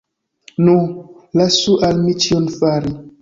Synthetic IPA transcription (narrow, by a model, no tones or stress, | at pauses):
nu | lasuʔalmit͡ʃionfaɾi